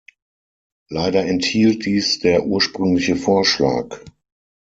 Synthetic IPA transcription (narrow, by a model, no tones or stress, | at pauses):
laɪdɐɛnthiːlt̚d̥iːsd̥eːɐʔuːɐʃpʁ̥ʏŋlɪçəfoːɐʃla̰ːk